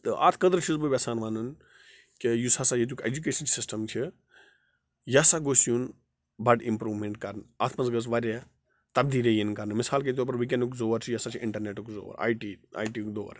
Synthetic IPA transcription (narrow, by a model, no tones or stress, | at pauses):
t̪ɨʔa̰ːt̪ʰkɐd̪ɾt͡ʃʰizbɨbʲɐsaːnʋaːnun | kejusɐsajet̪̬ʲukḛd͡ʒuk̬eːʃɐnsɪsʈɐmt͡ʃʰi | jasaɡoːsjun | bɐɖimpɾuːʋmeɳʈkɐɾnaːt̪ʰmɐnzɡəs̬ʋɐɾe | t̪ɐbd̪iːlejinkɐɾnmɪsaːlket̪op̬ɐɾʋik̬enukzoːʋɐɾt͡ʃʰijasat͡ʃʰiɪɳʈɐɾneːʈukzo̰ːʋɐ̰ɾa̰ːiʈiːa̰ːjʈiːkd̪oːʋ̰ɾ